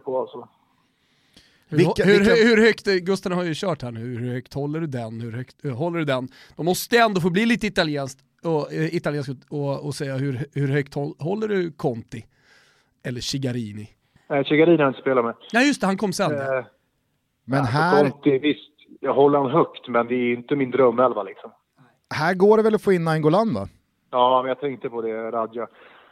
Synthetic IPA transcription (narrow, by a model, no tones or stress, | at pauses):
pɔalsɔ | hhɵɾhʉɾhœkt̪ɡɵst̪ənhaɾjɵɕœːʈhæːɳʉːhʉɾhœkt̪hɔlːəɖɵd̪ɛnhɵɾhœkt̪ɦɔlːəɖɵd̪ɛn | d̪̥ɔmɔst̪əɛnd̪oːfoːbliːliːt̪əɪt̪aljɛːnskt̪ | ɔɪt̪aljeːnskɔɔsɛjːahɵɾhɵɾhœkt̪hɔɦɔlːəɖɵkʰɔnt̪ɪ | ɛlːəʂɪɡaɾiːnɪ | nɛɕɪɡaɾinɪaɾɪnt̪əspeːlaɾmɛjɑːjɵst̪ɛhankʰɔmːsɛnː | mɛnɦæːɔnt̪ɪvɪst̪jɦɔlːəɾhanɦœkt̪mɛnd̪ɛːɾjʏnt̪əmɪnd̪ɾœmːɛlvalɪksɔm | hæːɾɡoːɖɛvɛlɔfoːɪnːaɛŋɡoland̪a̰ | jɑːmɛnjat̪ʰɛŋkt̪əpʰɔd̪ɛɾad̪ja